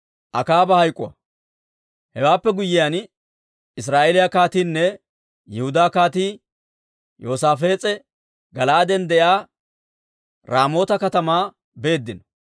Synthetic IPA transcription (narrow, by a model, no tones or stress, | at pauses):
ʔɐkaːbɐhɐjkʼːʊ̰wɐ̰ | hɛwaːpːɛɡʊjːɪjan | ɪs̬ɾaːʔeːlɪjakaːt̪iːnːɛ | jɛhʊd̪aːkaːt̪iː | jo̞ːsaːfe̞ːt͡sʼɛ | ɡɐlaːd̪ɛnd̪ɛjaː | ɾaːmo̞ːt̪ɐkɐt̪ɐmaː | be̞ːd̪ːɪnɐ